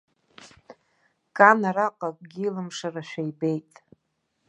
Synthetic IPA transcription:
kʼanaɾaqʼakʼɡʲilɨmʂaraʃʷᶣajbe̞jtʼ

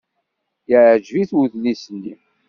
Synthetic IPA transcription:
jəʕʕʒviθwuðlisənːi

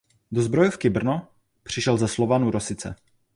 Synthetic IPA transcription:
dozbɾo̞jofkɪbr̩no | pr̝̥ɪʃɛlzɛslo̞vanuɾosɪt͡sɛ̰

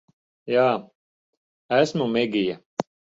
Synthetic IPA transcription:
jaː | æsmumɛɡʲija

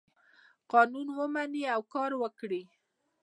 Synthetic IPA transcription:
qɑnunwəmaniawkɑɾwəkɽi

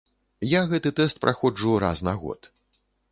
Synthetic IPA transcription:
jaɣɛt̪ɨt̪ɛst̪̚pɾʔaxɔd͡ʐuɾa̰snaɣɔ̰t̪

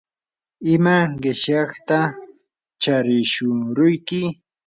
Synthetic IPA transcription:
ɪmaɢɪʃjɑχt̪a | t͡ʃaɾɪʃʊɾʊjkɪ

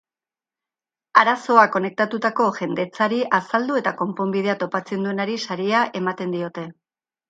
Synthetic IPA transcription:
aɾaso̞ako̞ne̞k̚t̪at̪ut̪ako̞ʝe̞nd̪e̞t͡saɾiʔasald̪ue̞t̪ako̞mpo̞mbið̞e̞at̪o̞pat͡se̞nd̪ue̞naɾisaɾiaʔe̞mat̪e̞nd̪io̞t̪e̞

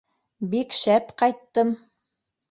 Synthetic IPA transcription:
bikʃæpqɑjt̪ːɤm

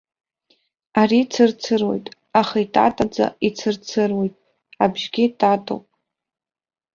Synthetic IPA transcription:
aɾit͡sʰɨrt͡sʰɨrwo̞̰jtʼ | aχaitʰʼa̰tʼad͡za̰it͡sʰɨrt͡sʰɨrwe̞jtʼ | abʒɡʲitʰʼatʼo̰wpʼ

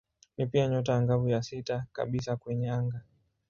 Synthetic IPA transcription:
nipiaɲɔt̬aaŋɡavujasitaka̰ɓisakwɛɲɛaŋɡa

